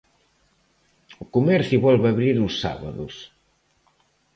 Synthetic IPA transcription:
ʊkumɛɾθjuβɔlβaβɾiɾʊsːa̰βa̰ðʊs

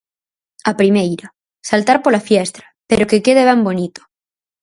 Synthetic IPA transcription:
apɾimejɾa | salt̪aɾpolafjest̪ɾape̞ɾo̞kekeð̞eβembo̞nit̪o̥

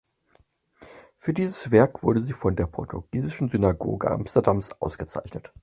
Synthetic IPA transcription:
fyːɐdiːzəsv̥ɛɐkv̥ʊɐɾəziːfɔndeːɐpʰɔɐtʰuɡ̥iːzɪʃn̩zynaɡo̰ːɡə̰ʔa̰mstɐdamsʔa̰ʊsɡ̥ət͡sa̰ɪçnət

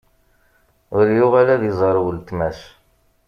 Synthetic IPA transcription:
ʊɾjʊʁælæðizˤɑɾˤwəlt̪mæs

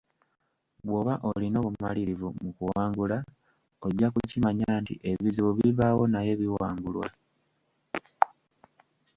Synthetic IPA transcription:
βwo̞βaʔolino̞ːβumaliɾivumukuwaːŋɡula | oɟːakucimaɲaːntḭʔe̞βiziβuβiβawo̞naje̞βiwaːŋɡulwa̰

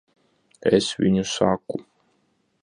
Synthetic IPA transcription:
ɛ̰svʲiɲʲusaku

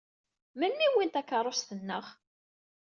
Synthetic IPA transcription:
mənːiwint̪ækːərˤosθənːəʁ

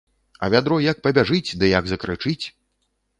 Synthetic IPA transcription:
ɐ̰vʲad̪ɾɔjɐk̚pɐbʲaʐɨt͡sʲd̪ɨjaɡzɐkɾɨt͡ʂɨt͡sʲ

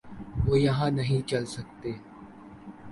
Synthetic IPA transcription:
ʋoːjɐɦãnɐɦĩt͡ʃɐlsɐk̚t̪eː

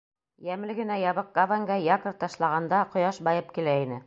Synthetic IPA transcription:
jæmlɘɡɘ̆næjɑβɤq̚ɡavaŋɡɑjɑkɤ̆ɾt̪ɑʃlˠɑʁɑnd̪ɑqŏjɑʃbɑjɤp̚kilæinɘ

